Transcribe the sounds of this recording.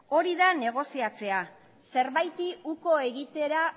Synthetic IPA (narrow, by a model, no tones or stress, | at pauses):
o̞ɾiðane̞ɣ̞o̞siat͡se̞a | se̞ɾβajt̪iuko̞e̞ɣit̪e̞ɾa